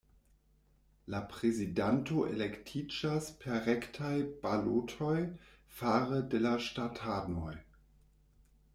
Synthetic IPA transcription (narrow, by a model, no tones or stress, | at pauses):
lapʁezidantoʔḛlektʰid͡ʒaspʰeʁektʰajb̥alotʰoj | faːʁədelaʃtatʰanoj